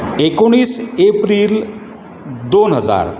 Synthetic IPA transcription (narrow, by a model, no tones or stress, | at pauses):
ekoɽ̃iːsepɾiːl | d̪onɦəd͡za̰ɾ